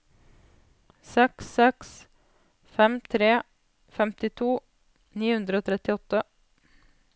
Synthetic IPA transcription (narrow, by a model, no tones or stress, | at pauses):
sɛksɛks | fɛmt̪ʰɾeː | fɛmt̪ɪt̪ʰuː | niːhʉnd̪ɾəoːt̪ʰɾɛt̪ɪɔt̪ə